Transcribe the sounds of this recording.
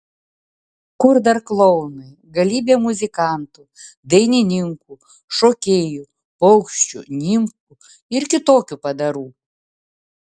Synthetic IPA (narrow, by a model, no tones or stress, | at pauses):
kʊɾd̪ɐɾklˠɔʊnɨ | ɡɐlʲiːbʲeːmʊzʲɪkɑˑnt̪u | d̪ɐɪnʲɪnʲɪŋku | ʃoːkʲeːju | pɔʊkʃʲt͡ʃʲʊ̰nʲɪmku | ɪɾkʲɪt̪oːkʲupɐd̪ɐɾuː